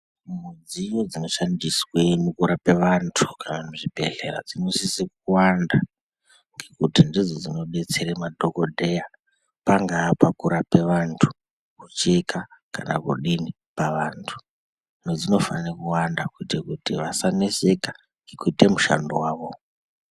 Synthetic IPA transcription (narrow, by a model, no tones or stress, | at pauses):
mud͡zijod͡zino̞ʃandiswemukuɾape̞ʋantʰu̥kʰanamuʐibʱe̞ɮe̞ɾa̰d͡zinosisek̚uwanda | ŋɡe̞kutindid͡zod͡zino̞ɓe̞t͡se̞ɾemadʱo̞kodʱe̞ja | paŋɡaːpakuɾape̞ʋantʰu̥ | kut͡ʃekʰakanakuɗini | paʋaːntʰu̥ | nod͡zino̞fanekuwandakuitekutiʋasaneseka | ŋɡekuite̞muʃa̰ndowaːʋo̞